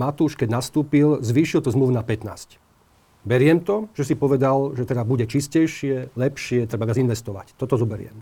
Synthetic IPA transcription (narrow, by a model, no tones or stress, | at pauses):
mat̪uːʃkɛɟnast̪uːpilzʋiːʃilt̪ɔzmluʊnapɛt̪na̰ːsc | bɛɾɪɛmt̪ɔʒ̥ɛsipɔʋɛd̪alʒɛt̪ɛd̪abuɟɛt͡ʃiscɛjʃɪɛlɛpʃɪɛt̪ɾɛbaʋɪazinʋɛst̪ɔʋa̰ct̪ɔt̪ɔzɔbɛɾɪɛ̰m